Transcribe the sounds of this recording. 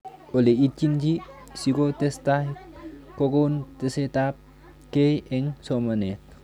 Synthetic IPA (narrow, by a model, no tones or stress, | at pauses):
oleit͡ʃind͡ʒi | sikot̪est̪aɦkoɡownt̪eset̪ap̚ | kejeŋsʰɔməne